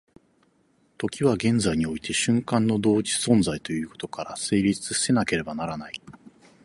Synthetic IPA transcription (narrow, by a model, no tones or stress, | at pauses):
t̪o̞kʲiβaɡẽ̞nd͡zaiɲ̟io̞it̪ʰe̞ɕɨ̃ŋkãnːo̞d̪o̞ːd͡ʑi̥sõ̞nd͡zait̪o̞jɯ̟ːko̞̥t̪o̞̥kaɾase̞ːɾʲit͡sɨsse̞nake̞ɾe̞banaɾanai